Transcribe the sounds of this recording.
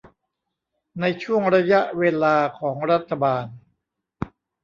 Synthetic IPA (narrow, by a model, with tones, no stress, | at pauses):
na˧jt͡ɕʰu˥˩əŋɾa˧ja˦˥ʔweː˧laː˧kʰɔː˩˦ŋɾa˦˥t̪ʰːa˧baː˧n